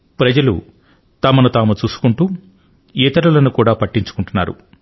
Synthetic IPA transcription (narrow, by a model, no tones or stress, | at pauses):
pɾɐd͡ʒɐlṵ | t̪ɐmɐnut̪aːmut͡ʃuːsu̥kuɳʈuː | ɛːt̪ɐɾɐlɐnukuːɽaːpɐʈːiɲt͡ʃu̥kuɳʈunːa̰ːɾṵ